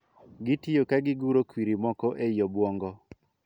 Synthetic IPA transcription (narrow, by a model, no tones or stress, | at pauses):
ɡɪtiokaɡɪɡuɾokwiɾimɔkɔʔejɔbwɔŋɡɔ